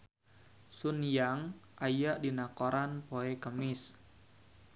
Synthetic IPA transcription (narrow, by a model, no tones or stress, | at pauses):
sunjaŋʔajaʔdinakoɾanpoɛkəmɪs